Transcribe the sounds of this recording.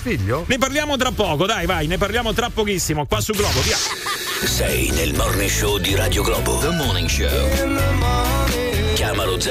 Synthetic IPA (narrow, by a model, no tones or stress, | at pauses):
fiʎːoneparljaːmot̪̬ɾapːɔːkod̪ajvajnep̬arljaːmot̪ɾapːokisːimokwasːuɡlɔːbovia | sɛ̰jnelmɔrneʃod̪iɾaːd̪joɡlɔ̰ːbo̰lomɔniŋʃo̰lma | kjaːmalod̪z